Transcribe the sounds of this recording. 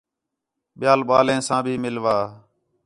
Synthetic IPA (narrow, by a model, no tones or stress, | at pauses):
ɓɪjaːlɓaːlẽːsãːbʱiːmɪlʋaː